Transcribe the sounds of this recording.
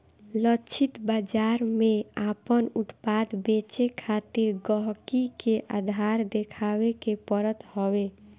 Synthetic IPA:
lət͡ʃʰɪt̪bad͡ʒaɾmeapənuʈpad̪bet͡ʃekʰat̪iɾɡəɦkikeʔad̪ʱaɾd̪ekʰawekepəɾət̪ɦɔwe

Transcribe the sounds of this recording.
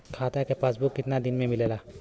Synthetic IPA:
kʰaːt̪akepasbukːɪt̪nad̪ɪnmẽmɪlelaː

